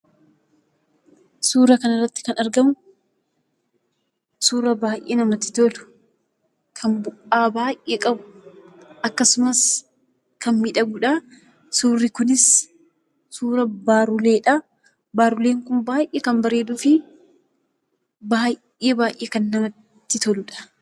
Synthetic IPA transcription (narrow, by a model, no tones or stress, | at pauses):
suːɾɐkɐnɐrːɐt̪ːɪ̥kɐnɐɾɡɐmʊ | suːɾɐbaːʔḛːnɐmɐt̪ːɪ̥t̪olʊ̥ | kʰɐmbʊʔaːbaːjʔʔeːkʼɐbʊ | ʔɐkːɐsʊmɐs | kɐnmɪᶑɐɡʊᶑɐ | suːrːɪkʊnɪs | suːɾɐbaːɾʊle̞ːᶑɐ | baːɾʊleːŋkʊnbaːjʔeːkɐmbɐɾe̞ːd̪ʊfɪ | baːʔeːbaːjʔeːkɐnːɐmɐt̪ːɪt̪ɔlʊᶑɐ̥